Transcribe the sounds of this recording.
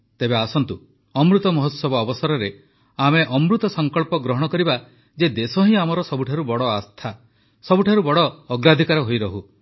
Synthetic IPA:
t̪ebeasɔnt̪u | ɔmɾut̪ɔmɔɦɔt̪sɔbɔːbɔsaɾɔɾe | ameʔɔmɾut̪ɔsɔŋkɔɭpɔɡɾɔɦɔɽ̃ɔkɔɾiba | d͡ʒed̪esɔɦĩamɔɾɔsɔbuʈʰaɾubɔɽɔast̪ʰa | sɔbuʈʰaɾubɔɽɔːɡɾad̪ʱikaɾɔɦojɾɔɦu

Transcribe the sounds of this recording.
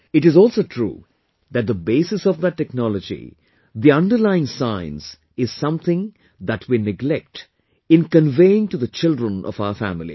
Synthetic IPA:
ɪʈɨzɔlsoːʈʰɾṵː | ðæt̚d̪əbeːsɨsɔvd̪ətːɛknɔləd͡ʒḭ | d̪iʌ̃nɖəɾlaɪɪ̃ŋsãɪ̃ns | ɪz̥sʌ̃mθɪ̃ŋ | ðæʈʰwinɪɡlɛk̚ʈ | ɪ̃nkə̃nveɪɪ̃ŋʈuðət͡ʃɪldɾə̃nʔɔ̰vaʊəɾfæ̰mɪlḭ

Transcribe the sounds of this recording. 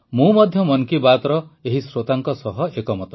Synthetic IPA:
mũmɔd̪ʱjɔmɔnkibat̪ɔɾɔeɦisɾot̪aŋkɔsɔɦɔʔekɔmɔt̪ɔ

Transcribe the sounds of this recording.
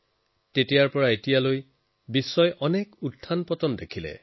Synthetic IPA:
tetijaɹpɔɹaetijaloj | bisːɔjʔɔnɛkuttʰːanpɔtɔndekʰilɛ̰

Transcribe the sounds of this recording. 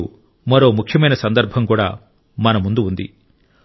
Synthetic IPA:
u | mɐɾoːmukʰjɐmɐjnɐsɐnd̪ɐɾbʱɐmkuːɽa̰ː | mɐnɐmund̪uund̪ḭ

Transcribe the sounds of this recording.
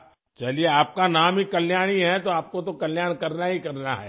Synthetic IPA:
t͡ʃɐlieaːp̚kanaːmɦikɐlːjaːɽ̃iɦɛt̪oaːp̚kot̪okɐljaːɽ̃kɐɾnaɦikɐɾnaɦɛ̰ː

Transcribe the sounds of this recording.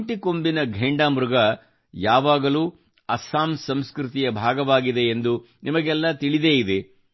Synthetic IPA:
ʈikombinɐɡʱeːɳɖaːmɾuɡɐ | jaːʋaːɡɐluː | ɐsaːmsɐmskɾut̪ijɐbʱaːɡɐʋaːɡid̪e̞ːnd̪u | nimɐɡɛlːɐt̪iɭid̪e̞ːid̪e

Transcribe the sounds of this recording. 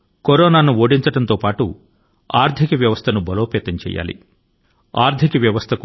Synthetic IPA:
koɾoːnaːnuoːɽiɲt͡ʃɐɽɐnt̪oːpaːʈu | aːɾd̪ʱikɐʋjɐʋɐst̪ʰɐnubɐloːpɛːt̪ɐɲt͡ʃɛ̰ːja̰ːlḭ | aːɾd̪ʱikɐʋjɐʋɐst̪ʰɐk

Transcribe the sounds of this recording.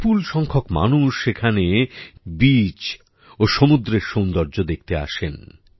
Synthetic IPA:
pulʃɔŋkʰokma̰nuʃekʰanebit͡ɕ | oʃomud̪ɾeɾʃõwnd̪ɔɾd͡ʑod̪ek̚t̪ea̰ʃen

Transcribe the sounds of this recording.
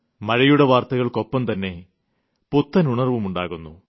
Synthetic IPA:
mɐɻɐjuɽeʋaːrt̪ɐɣɐɭko̞pːɐmt̪ɐnːe̞ | put̪ːɐnuɳɐrʋumuɳɖaːɣunːu

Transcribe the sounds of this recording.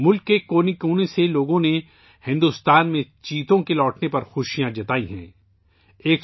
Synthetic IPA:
mʊlkːekoːnikuːneseloːɡõne | hɪ̃nd̪ʊst̪aːnmẽt͡ʃiːt̪õkelɔːʈnepɐɾxʊʃijãd͡ʒɐt̪aːiɦɛ̰̃ː | eːk

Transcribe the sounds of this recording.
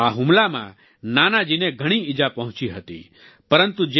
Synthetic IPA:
aɦumlamã̰ | nanad͡ʒineɡʱəɽ̃iid͡ʒapəɦʊ̃t͡ʃiɦət̪ḭ | pəɾənt̪ud͡ʒe

